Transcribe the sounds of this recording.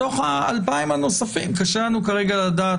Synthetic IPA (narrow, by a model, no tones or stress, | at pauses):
o̞χaalpaimano̞safimkaʃelanukaʁe̞ɡalad̪aː